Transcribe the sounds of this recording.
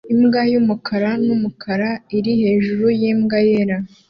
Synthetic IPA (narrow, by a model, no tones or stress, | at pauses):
imɡajumukʰaɾanumukʰaɾaiɾihe̞ːʒuɾujiːmɡajeɾa